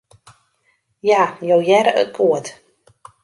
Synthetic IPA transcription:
jajowjɛɾəə̰kʰuət

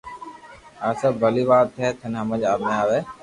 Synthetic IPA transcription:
aːsəbbʱəliːʋaːt̪ʰːeːt̪ʰənɦəməd͡ʒaːmẽaːʋeː

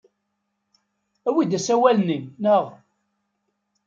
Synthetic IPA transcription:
æwid̪æsæwælninnəʁ

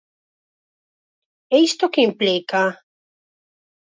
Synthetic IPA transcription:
eist̪okeimplika

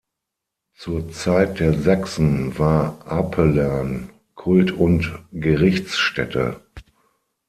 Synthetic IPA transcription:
t͡suːɐt͡saɪt̚d̥eːɐzaksn̩vaːɐʔapʰəlɛɐn | kʰʊltʊntɡ̥əʁɪçt͡sʃtɛ̰tʰə̰

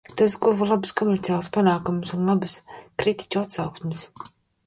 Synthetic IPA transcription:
t̪asɡuvalˠabɨskɔmʲɛɾt̪ijaːlˠspanaːkumsunlˠabɨskɾit̪i̥t͡ʃuat̪sawksmʲɪs

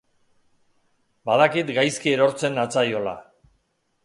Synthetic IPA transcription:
bað̞akit̪ɡajskie̞ɾo̞ɾt͡se̞nat͡sajo̞la̰

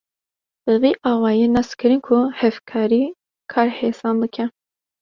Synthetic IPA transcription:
b̥ɨviːʔɑːwɑːjeːnɑskɨɾɨnkʰuhɛvkʰɑːɾiː | kʰɑːɾheːsɑːnbɨkʰɛ

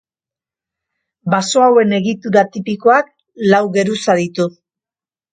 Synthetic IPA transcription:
baso̞awe̞ne̞ɣit̪uɾat̪ipiko̞ak̚ | lawɣe̞ɾusaðit̪u

